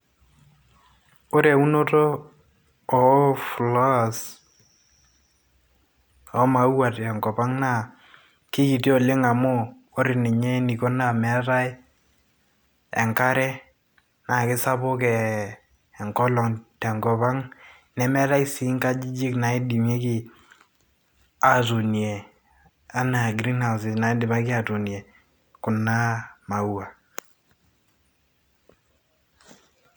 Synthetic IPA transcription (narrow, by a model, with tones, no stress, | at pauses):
o˦ɾe˨u˦no˦toː˦˨ | flɔ˦˨s | ɔ˦ma˨˦u˦wa˨tɛ˨ŋɡɔ˨pa˦ŋna˨ | kɪ˦ki˨ti˦ɔ˦˨lɪ˦ŋa˨mo˦ | o˦ɾɪ˨nɪ˨ɲɛ˦ni˨ko˦na˨mɛ˦ta˦ɪ˦ | ɛ̰˨ŋka˦ɾɛ˦ | na˨kɪ˦sa˦pʊ˦kɛː˨ | ŋkɔ˦lɔ˨ŋtɛ˨ŋɡɔ˨βa˦ŋ | nɛ˦mɛ˦ɾa˦i˦si˨˦ŋka˦d͡ʒi˦d͡ʒi˦kna˨ɛ˦di˨mje˦kɪ˦˨ | a˨tu˨nje˨ | a˦na˨ɡɾi˦nha˨wsɪ˨na˨˦dɪ˨ma˦kɪ˦a˨tu˨njɛ˨ | kʊ˨nːa˦ma˨wa˨